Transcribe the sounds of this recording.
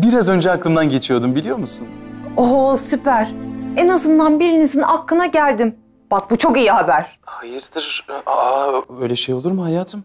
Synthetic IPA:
biɾazø̞nd͡ʒɛaklˠɯmd̪anɟe̞t͡ʃʰijo̞d̪umbilʲijo̞musunosypæɾ̥enazɯnd̪anbiɾinizinʔakːɯnaɟælʲd̪im | b̥ak̚but͡ʃʰo̞kijihabæɾ̥hajɯɾd̪ɯɾaø̞jlʲɛʃe̞jo̞lˠuɾmuhajaːt̪ʰɯm

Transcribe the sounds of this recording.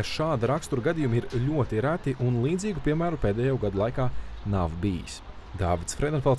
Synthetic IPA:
ʃaːd̪iɾakst̪uɾɡad̪ijumiɾʎʲuɔt̪iɾæt̪iʔunlˠiːd̪ziːɡupiɛmæːɾupeːd̪ɛːjaːɡad̪ulˠajkaːnavbijḭs | d̪aːvit̪sfɾed̪ɛɔnfɛlˠt̪

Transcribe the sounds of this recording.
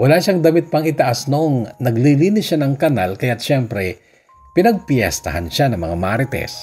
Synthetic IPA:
wɐlaʃaŋd̪ɐmɪt̪̚pɐŋɪt̪ɐʔasnoʔoŋnɐɡliliːnɪsʃanɐŋkɐnalkɐjat̪̚ʃɛmpɾɛ | pɪnɐɡ̚pjɛ̰st̪ɐ̰hɐ̰nʃanɐŋmɐŋamaːɾɪt̪ɛ̰s

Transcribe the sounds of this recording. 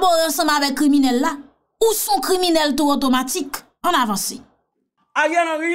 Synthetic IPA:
bɔɣãsɔ̃mavɛk̚kːɾimĩnɛlːa | usũkɾimĩnɛlt̪uot̬omatik | ãnavɑ̃se | ajanãi

